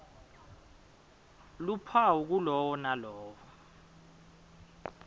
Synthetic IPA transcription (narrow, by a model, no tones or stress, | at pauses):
lupʰauk̬ulɔwɔnalɔːwɔ